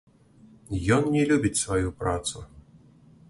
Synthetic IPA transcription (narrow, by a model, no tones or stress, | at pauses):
jɔnnʲɛlʲubʲit͡sʲsvajupɾat̪su